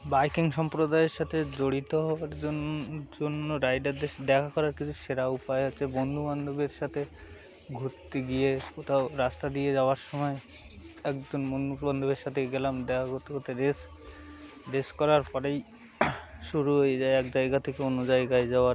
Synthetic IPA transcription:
bajkiŋʃɔmpɾod̪aeɾʃat̪ʰed͡ʑoɽit̪oɦɔaɾd͡ʑond͡ʑonːoɾajɖaɾd̪eʃd̪ɛkʰakɔɾaɾkit͡ɕʰuʃeɾaupaeotːʃʰebond̪ʱuband̪ʱobeɾʃat̪ʰe | ɡʱoɾt̪ːeɡijekot̪ʰaoɾast̪ad̪ijed͡ʑaoaɾʃɔmɔe | ɛkd͡ʑonbonuband̪ʱobeɾʃat̪ʰeɡɛlamd̪ɛkʰaɡot̪ekot̪eɾes | ɾeskɔɾaɾpɔɾej | ʃuɾuɦojed͡ʑaeɛkd͡ʑajɡat̪ʰekeonod͡ʑajɡajd͡ʑaaɾ

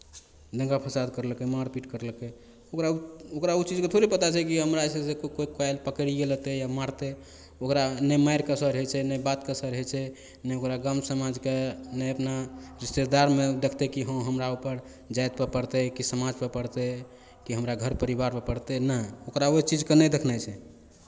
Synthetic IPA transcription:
d̪ʱə̃ŋɡapʰəsad̪̚kəɾlkemaɾpiʈkəɾlke | okɾauokɾaut͡ʃid͡ʒket̪ʰoɾipət̪at͡ʃʰɛkiɦəmɾasesekokoikajlpəkəɾiɡelət̪ejamaɾt̪e | okɾanəmajɾkəsəɾɦɛt͡ʃʰɛnəbat̪kəsəɾəɦɛt͡ʃʰɛ | nɛokɾaɡamsəmad͡ʒkenəəpnaɾist̪eɾd̪aɾmed̪ekʰt̪ɛkiɦə̃w̃ɦəmɾaupəɾ | d͡ʒajt̪̚pepəɾt̪ɛkisəmad͡ʒpepəɽt̪ɛ | kiɦəmɾaɡʱəɾpəɾibaɾpepəɽt̪enəokɾaot͡ʃid͡ʒkenɛd̪ekʰnat͡ʃʰɛ

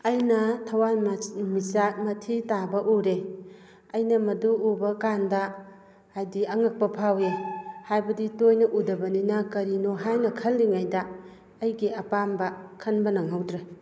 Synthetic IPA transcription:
ɐjnɐtʰɐwajmisak̚mɐtʰitabɐʔuɾe | ɐjnɐmɐduubɐkandɐː | jdiɐŋɐk̚pɐpʰawehajbɐditojnɐʔudɐbɐninɐkɐɾinoɦajnɐkʰɐlːiŋajdɐː | jɡiɐpambɐkʰɐnbɐnɐŋɦawdɾe

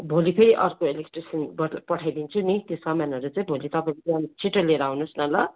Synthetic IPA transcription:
bʱolipʰeɾiʔʌɾkoelekʈrisʌnbʌpʌʈʰajd̪int͡sʰunit̪josʌmanʌɾut͡saĩbʱolit̪ʌpaĩkʌnit͡sʰiʈoleɾaɦunusnʌlʌ

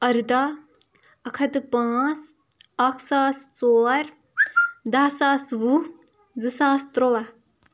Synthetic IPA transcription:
ɐɾd̪a | ɐkʰɐt̪pãːt͡sakʰsaːst͡soːɾ | d̪ɐsaːsbu | d͡zɨsaːst̪ɾoʋa

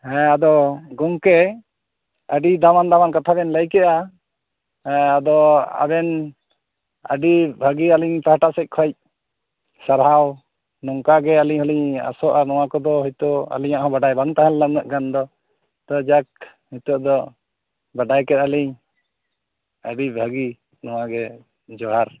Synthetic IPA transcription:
ɛ̃ad̪ɔɡɔŋkɛ | əɖid̪amand̪amankat̪ʰabɛnləjkɛʔa | ad̪ɔa̰bɛn | ə̰ɖibʱaɡialiɲpahaʈaʔsɛc̚ˀkʰɔjc̚ | saɾɦaw | nɔŋkaɡɛaliɲhɔliɲa̰sɔʔanɔw̃akɔd̪ɔɦɔjt̪ɔa̰liɲaʔhɔ̃baɖajbaŋt̪ãɦallanaʔɡand̪ɔ | t̪ɔd͡ʒak̚ | mit̪ɔʔd̪ɔ | baɖajkɛt̪aliɲ | əɖibʱəɡi | nɔwaɡɛ | d͡ʒɔɦaɾ

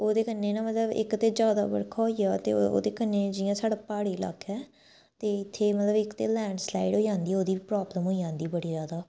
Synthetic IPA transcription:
oːd̪eːkənːeːnãːmət̪ləbɪ̰kt̪eːd͡ʒjaːd̪a̰ːbə̰ɽkʰaːɦoːiːjaːt̪ḛːo̰ːd̪eːkənːeːd͡ʒɪjãːsaːɽaːpaːɽiːla̰ːkʰɛː | t̪eːɪt̪ʰːeːmət̪ləbɪkt̪eːlɛ̃ːɳɖslaːiɖɦoːiːd͡ʒãːnd̪iːoːd̪iːpɾaːbləmɦoːiãːnd̪iːbəɽiːzjaːd̪aː

